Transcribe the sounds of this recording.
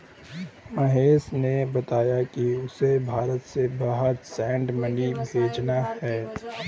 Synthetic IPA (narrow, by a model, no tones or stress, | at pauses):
mɐɦeːsnebɐt̪aːjakiʊsebʱaːɾət̪sebɐɦət̪sɛ̃ːɳɖmɐnibʱeːd͡ʒnahɛː